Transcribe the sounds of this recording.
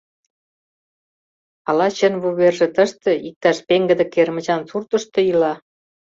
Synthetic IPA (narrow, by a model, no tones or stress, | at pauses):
ɑlɑt͡ɕenβuβerʒĕt̪əʃt̪ĕik̚t̪ɑʃpeŋɡə̆d̪ĕkermə̆t͡ɕɑnsurt̪ə̆ʃt̪ɤ̆ilɑ